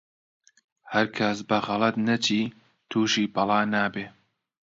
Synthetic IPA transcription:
hɐɾkʰɐsbɐxɑlˠɐt̪nɐt͡ʃʰiː | t̪ʰuːʃiːbɑlˠɑːnaːbeː

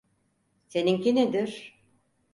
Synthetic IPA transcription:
seniŋkined̪iɾ̥

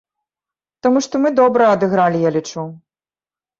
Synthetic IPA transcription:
t̪amuʂt̪ɔmɨd̪ɔbɾɐɐd̪ɨɣɾalʲijalʲit͡ʂu

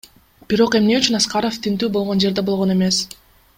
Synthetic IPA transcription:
b̥iɾo̞qe̞mne̞yt͡ʃynɑsqɑɾo̞ft̪ʰynt̪yːbolˠʁo̞nd͡ʒeɾd̪e̞bo̞lˠʁo̞ne̞me̞s

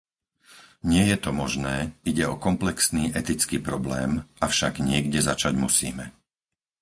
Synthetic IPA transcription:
ɲɪɛjɛt̪ɔmɔʒnɛːiɟɛɔkɔmplɛksniːʔɛt̪it͡skiːpɾɔblɛ̰ːmafʃaɡɲɪɛɡɟɛzat͡ʃaɟmusḭːmɛ

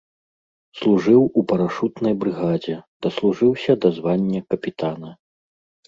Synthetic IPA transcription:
slˠuʐɨwupɐɾaʂut̪nɐjbɾɨɣad͡zʲɛd̪̥ɐslˠuʐɨwsʲɐd̪azvanʲːɐkɐpʲit̪anɐ

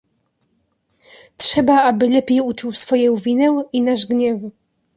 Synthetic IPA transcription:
tʂɛbaabɘlɛpʲejut͡ʂuwsfɔjɔ̃w̃vʲinɛwinaʐɡɲɛv

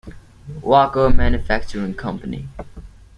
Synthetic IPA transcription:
wakəmæ̃njəfæk̚t͡ʃəɹɪ̃ŋkʰʌ̃mpənḭ

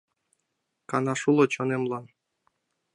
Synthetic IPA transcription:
kɑnɑʃulˠot͡ɕonemlˠɑn

